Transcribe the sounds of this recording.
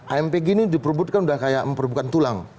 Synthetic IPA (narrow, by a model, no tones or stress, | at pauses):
ʔaɛmpeɡenidipərbʊt̪̚kanudahkajaʔməmpərbukant̪ulaŋ